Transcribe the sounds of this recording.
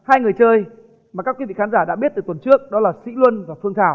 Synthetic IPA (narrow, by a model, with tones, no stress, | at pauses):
haː˧jŋɨ˨˩əjt͡ɕəː˧j | maː˨˩kaː˦˥kwi˧vḭ˧˨xa˨˦nzaː˧˩ɗa̰˧˥ɓi˦˥t̪̚ɨː˨˩t̪wt͡ɕɨ˦˥ək̚ɗɔ˨˦laː˨˩sḭ˧˥lwə˧nvaː˨˩fɨ˧əŋt̪ʰaː˧˩w